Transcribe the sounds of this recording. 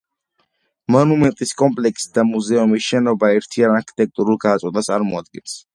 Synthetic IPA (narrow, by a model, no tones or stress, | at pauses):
mɔnumɛnt̪ʼiskʼɔmpʼlɛksid̪amuzɛumisʃɛnɔbaɛɾt̪ʰianaɾkʰi̥t̪ʼɛk̚ʼt̪ʼuɾulˠɡat̪sʼɔnat̪sʼaɾmɔad̪ɡɛns